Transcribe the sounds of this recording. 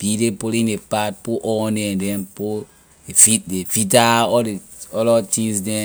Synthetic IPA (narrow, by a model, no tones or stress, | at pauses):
b̥idepoɾĩndepat̚poʔɔnɛ̃dɛ̃mpo | efit̚defitaɔde | ɔlɔtĩŋsdɛ̃